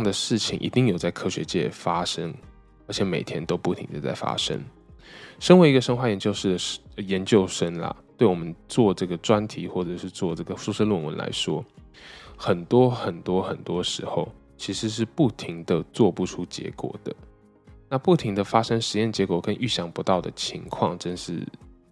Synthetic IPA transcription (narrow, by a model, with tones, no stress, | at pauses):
jɑ˥˩ŋd̪ə˩ʂɻ̩˥˩t͡ɕʰḭ˨˩ŋʔḭ˨˩t̪i˥˩ŋjo˨˩ʊt͡sa˥˩ɪkʰɤ˥ɕɥɛ̰˧˥t͡ɕjɛ̰˥˩fa˥ʂə˥ŋ | ə˞˧˥t͡ɕʰɛ˧˥me˨˩ɪt̪ʰjɛ˥nt̪o˥ʊpu˥˩t̪ʰḭ˧ŋd̪ə˨t͡sa̰˥˩ɪfa̰˥ʂə̰˥ŋ | ʂə˥nwe˧˥ɪi˧˥ɡə˧ʂə˥ŋxwa˥˩jɛ˧nt͡ɕjo˥˧ʊʂɻ̩˥˩d̪ə˩˨jɛ˧˦nt͡ɕjo˥˧ʊʂə˥nlɐ̰˨t̪we˥˩ɪwɔ˨˩mə˦nt͡swɔ˥˧ʈ͡ʂɤ˥˩ɡə˩ʈ͡ʂwa˦nt̪ʰi˧˥xwɔ˥˩ʈ͡ʂɤ˨˩ʂɻ̩˥˧t͡swɔ˥˧ʈ͡ʂɤ˥˩ɡə˩ʂu˥ʂə˥lwə˥˨nwə̰˧˦nla̰˧˥ɪʂwɔ˦˥ | xə˨˩nt̪wɔ˥xə˨˩nt̪wɔ˥xə˨˩nt̪wɔ˥ʂɻ̩˧˥xo˨˩ʊ | t͡ɕʰi˧˥ʂɻ̩˧˥ʂ̬ɻ̩˥˧pu˥˩t̪ʰi˧˥ŋd̪ə˨t͡swɔ˥˧pu˥˩ʈ͡ʂʰu˥t͡ɕjɛ̰˧˥kwɔ̰˨˩d̪̥ə̰˦ | na˥˧pu˥˩t̪ʰi˧˥ŋd̪ə˨fa˥ʂə˥ŋʂɻ̩˧˥jɛ˥˩nt͡ɕjɛ˧˥kwɔ˨˩kə˦nʔy˥˩ɕjɑ˧˥˩ŋpu˧˥t̪ɑ˥˩ʊd̪ə̰˩t͡ɕʰi˧˥ŋkʰwɑ̰˥˩ŋʈ͡ʂə˥nʂɻ̩̰˥˩